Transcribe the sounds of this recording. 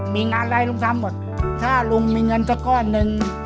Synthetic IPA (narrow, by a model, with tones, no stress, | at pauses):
miː˧ŋaː˧nɾaː˧jlo˧ŋt̪ʰa˧mːo˨˩t̪̚t̪ʰaː˥˩lu˧ŋmiː˧ŋɤ˧nsaː˧˩kɔː˧˩nːɯ˧ŋ